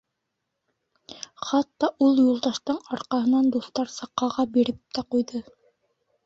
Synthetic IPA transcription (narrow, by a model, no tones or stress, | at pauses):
χɑt̪ːɑʔulˠjulˠd̪ɑʃt̪ɤɴɑɾqɑhɤ̆nɑnd̪uθt̪ɑɾsɑqːɑʁɑbiɾɘp̚t̪æqujðɤ